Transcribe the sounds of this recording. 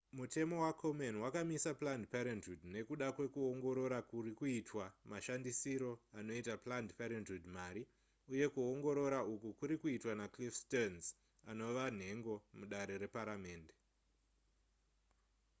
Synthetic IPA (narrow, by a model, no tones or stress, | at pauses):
mute̞mo̞wakʰomenwakamisaplandpaɾentudne̞kuɗakwe̞kuoŋɡo̞ɾo̞ɾakurikuitwamaʃandisiɾo̞ano̞itaplandpaɾentudmaɾi | uje̞kuoŋɡo̞ɾo̞ɾaukukuɾikuitwanaklifstonz | ano̞ʋan̤e̞ŋɡo̞muɗaɾe̞ɾe̞paɾame̞ːnde̞